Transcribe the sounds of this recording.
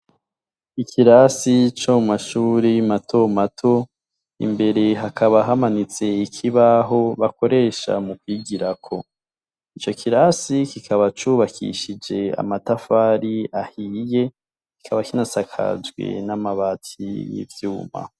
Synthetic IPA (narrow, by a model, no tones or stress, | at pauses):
ikʰiɾasit͡ʃomumaʃuːɾijimatʰo̞matʰo̞ | ḭmbe̞ɾe̞ɦakʰaβaɦamanit͡se̞ikʰiβaɦo̞βako̞ɾe̞ʃa̰mukwiːɡiɾakʰo̞ | it͡ʃo̞kʰiɾasikikʰaβat͡ʃuːβakʰḭʃid͡ʒe̞a̰matafaːɾiahije̞ | ki̥kʰaβakinasakʰa̰d͡ʒɡwḛnamaβatʰḭjḭvjuːma̰